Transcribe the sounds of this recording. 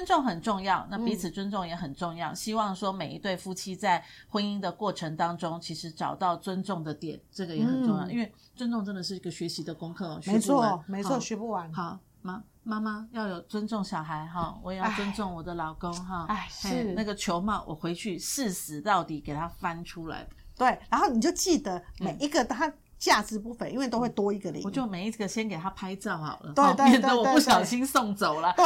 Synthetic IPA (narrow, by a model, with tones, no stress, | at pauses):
ə˥nʈ͡ʂʊ˥˨˩ŋxə˨˩nʈ͡ʂʊ˥˧ŋjɑ˥˨ʊna˥˨˩pi˨˥t͡s̩ʰ˨˩t͡swə˥nʈ͡ʂʊ˥˩ŋjɛ˨˧˥xə˨˩nʈ͡ʂʊ˥˧ŋjɑ˥˨ʊɕi˥wɑ˥˩ŋʂwɔ˥me˨˩ɪi˧˥t̪we˥˩ɪfu˥t͡ɕʰi˥t͡sa˥˩ɪxwə˥ni˥ŋd̪ə˨kwɔ˥˩ʈ͡ʂʰə˧˥ŋt̪ɑ˥ŋʈ͡ʂʊ˥ŋt͡ɕʰi˧˥ʂɻ̩˧˥ʈ͡ʂɑ˨˩ʊt̪ɑ˥˩ʊt͡swə˦nʈ͡ʂʊ˥˩ŋd̪ə˩t̪jɛ̰˨˩˦nʈ͡ʂɤ˥˩ɡə˩jɛ˧˦xə˨˩nʈ͡ʂjɑ˥˨ʊʔi˦˥nwe˥˩ɪ | t͡swə˥˦nʈ͡ʂʊ˥˧ŋʈ͡ʂə˥nd̪ə˨˩ʂ̬ɻ̩˥˩i˧ɡə˨ɕɥɛ˧˥ɕi˧˥d̪ə˨kʊ˥ŋkʰɤ˥˩ɔ̰˨˩ɕɥme˧˦ɔ˥˨me˧ɪɔ˥˩ɕɥɛ˧˥pu˥˩wa˧˥nxɑ˨˩˦ | ma˥ | ma˥ma˥jɑ˥˩ʊjo˨˩ʊt͡swə˦nʈ͡ʂʊ˥˩ŋɕjɑ˨ʊɦa˧˦ɪɦɔ˥˩wɔ˨˦je˨jt͡swə˦nt͡sʊ˥˩ŋwɔ˨˩d̪ə˦lɑ˨˩ʊko˥ŋɦɔ˥˩a˥˩ʂ̩˥˩a˥˩ɡə˩t͡ɕʰjo˧˦˥ʊma˨wʔɔ̰˨˩xwe˧˥ɪt͡ɕʰy˥˩ʂɻ̩˥˩sɹ̩˧˦t̪ɑ˥˩ʊt̪i˨˩ke˨˩ɪt̪ʰa˦fa˦nʈ͡ʂʰu˦˥la̰˧˦ɪt̪we˥˩ɪɻa˧˥nxo˥˩ni˨˩t͡ɕjo˥˧ʊt͡ɕi˥˩d̪ə˩me˨˩ɪi˧˥ɡə˨t̪ʰa˥ | t͡ɕja˥˧t͡sɹ̩˥˧pu˥˧fə˧˨ʔḭ˥nwe˥˩ɪo˥ʊxe˥˩ɪt̪wɔ˥i˧˥ɡə˨lḭ˨˩wɔ˨˦˩t͡ɕjo˥˩ʊme˨ɪi˥ɡə˨ɕjɛ˦˥nke˨ɪt̪ʰa˦pʰa˥ɪt͡sɑ˥˩ʊxɑ̰˨˩ʊlə̰˦t̪we˥˧ɪt̪we˥ɛ˧˥˨nt̪ɔ˨e˥˧u˥˩ɕjɑ˨˩ʊɕi˥nsʊ˥˩ŋt͡so˨˩ʊlə˦